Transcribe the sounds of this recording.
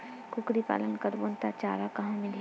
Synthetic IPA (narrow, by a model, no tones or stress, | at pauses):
kʊkɾipa̰ːlənkəɾbont̪at͡ʃa̰ːɾakɐɦãmẽli